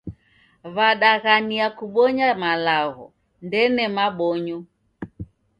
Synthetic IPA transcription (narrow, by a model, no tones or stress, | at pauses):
βaɗaɣaniakuɓɔɲamalaɣɔ̰ | ndɛnɛmaɓɔɲɔ